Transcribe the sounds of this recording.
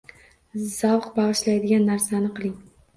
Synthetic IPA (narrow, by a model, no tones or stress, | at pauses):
z̥awqbɑʁɨʃlajd̪ɪɡʲanːaɾsanɪqʰɨlˠɪŋ